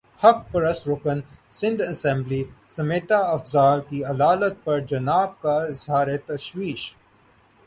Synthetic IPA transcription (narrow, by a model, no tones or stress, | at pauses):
hɐk̚pɐɾɐsɾʊkənsɪ̃nd̪ɐsɛ̃mblisɐmeːʈaɐfzaːlkiɐlaːlət̪̚pɐɾd͡ʒɐnaːb̚kaɪzɦaːɾet̪ɐʃwiːʃ